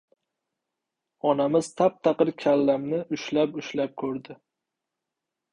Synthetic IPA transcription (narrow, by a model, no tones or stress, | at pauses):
ɒnamɪz̥t̪ʰap̚t̪ʰaqɨɾkʲʰalːamnɪʔʊʃlapʊʃlap̚kʲʰɵɾd̪ɪ